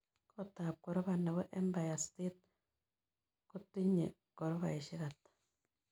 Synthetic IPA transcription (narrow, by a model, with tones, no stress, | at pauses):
kota˨p̚ko˨ɾɔ˦βana˨βɔ˦ʔe˦mba˨jasti˦t̪̚ | ku˦ti˦ɲḛ˨ | ko˨ɾo˦βa̰˨iʃi˦ɣatḁ